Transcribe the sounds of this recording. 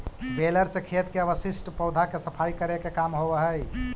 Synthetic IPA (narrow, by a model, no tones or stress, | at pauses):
beləɾsekʰet̪keəbəsisʈpəwd̪ʱakesəpʰajkəɾekekamɦobəɦəj